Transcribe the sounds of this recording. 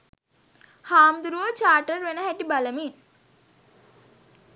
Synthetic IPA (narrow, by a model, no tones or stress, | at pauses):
haːmd̪uɾuʋət͡ʃaːʈəɾʋenəɦæʈibaləmin